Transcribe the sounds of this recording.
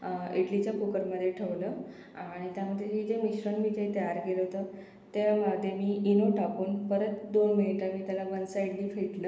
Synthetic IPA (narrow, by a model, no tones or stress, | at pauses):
eʈlit͡ɕjakukəɾməd̪ʱːjeʈʰəʋlə | aɽ̃it̪jaməd̪ʱjeid͡ʑemiɕɾənmiːt̪eit̪əjaɾkelɦot̪ə | t̪eməd̪ʱjemiːinoʈakuːnpəɾət̪d̪onminiʈamiːt̪jalabənsəeʈliːfeʈləː